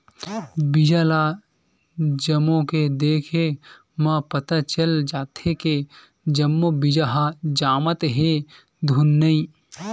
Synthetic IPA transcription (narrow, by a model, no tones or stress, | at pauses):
bɪd͡ʒaːla | d͡ʒəmõked̪eːkʰe | mãpət̪at͡ʃəld͡ʒaːt̪eke | d͡ʒəmːõbɪd͡ʒaɦad͡ʒaːmət̪ɦe | d̪ʱunːəĩ